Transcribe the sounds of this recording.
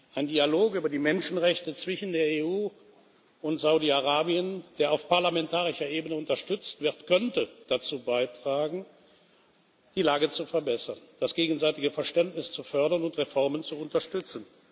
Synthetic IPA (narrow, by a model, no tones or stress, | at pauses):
ʔaɪndialoːkʔyːbɐdiːmɛnʃn̩ʁɛçtət͡sv̥ɪʃn̩deːɐeːuː | ʊntz̥aʊdiaʁaːbiənd̥eːɐaʊfpaɐlamɛntaːʁ̞ɪʃɐʔeːbənəʊntɐʃtʏt͡stv̥ɪɐtkʰœntəd̥at͡suːbaɪtʁ̥aːɡŋ̩ | d̥iːlaːɡət͡sufɛɐbɛsɐnd̥asɡ̥eːɡn̩zaɪtɪɡəfɛɐʃtɛntnɪst͡sufœɐɾɐnʊntʁefɔɐmənt͡suʊntɐʃtʏt͡sn̩